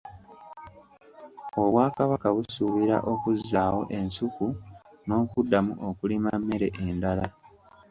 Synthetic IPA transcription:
o̞βwaːkaβakaβusuβiɾa̰ʔo̞kuzːaːwo̞̰ʔe̞nsuku | no̞ːkudːamṵʔokulimamːe̞ɾe̞ʔendala

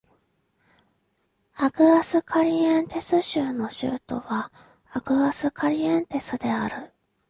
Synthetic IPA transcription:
akɯ̟asɨkʰaɾʲiãnt̪e̞sɨɕɨːno̞ɕɨ̰ːt̪o̞̰βaː | kɯ̟asɨkʰaɾʲiãnt̪e̞sɨd̪e̞aɾɯ̟

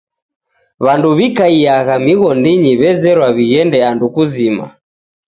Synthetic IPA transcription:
βanduβikaiaɣamiɣɔndiɲiβɛzɛɾwaβiɣɛndɛandukuzima̰

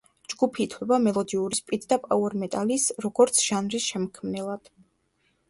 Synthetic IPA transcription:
d͡ʒɡupʰiːt̪ʰwɛbamɛlˠɔd̪iuɾispʼit̪ʰd̪apʼauɛɾmɛt̪ʼalisɾɔɡɔɾt̪sʰʒ̥anɾisʃɛmɔkʰmnɛlˠad̪̥

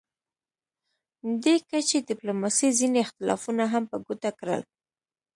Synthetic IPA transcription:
d̪ekat͡ʃed̪ɪplomɑsizineɪxt̪ɪlɑ̰funaɦampəɡut̪akɾə̰l

